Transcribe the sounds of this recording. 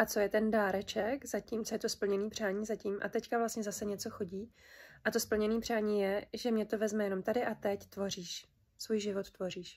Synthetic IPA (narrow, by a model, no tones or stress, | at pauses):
ʔat͡so̞jɛt̪ɛndaːɾɛt͡ʃɛkzaciːmt͡so̞jɛt̪o̞spl̩ɲɛniːpr̝̥aːɲiːzaciːmʔa̰t̪ɛckavlast̪ɲɛzasɛɲɛt͡so̞xo̞ɟiːʔat̪o̞spl̩ɲɛniːpr̝̥aːɲiːjɛʒɛmɲɛt̪o̞vɛzmɛjɛno̞mt̪adɪʔat̪ɛct̪vo̞riːʃ | svuːjʒɪvot̪ːvo̞riːʃ